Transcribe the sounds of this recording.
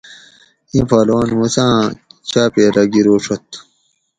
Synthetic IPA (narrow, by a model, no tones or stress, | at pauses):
ĩpaːloːnmusãːt͡ɕaːpeɾɐɡiɾoːʂʰot̪